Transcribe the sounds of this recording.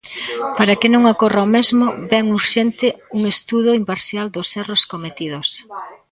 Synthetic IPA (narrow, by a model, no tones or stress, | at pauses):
paɾakɪnõŋakoraomezmʊbɛŋuɾʃent̪ɪuŋest̪uðʊimpaɾsjald̪osɛroskomet̪iðos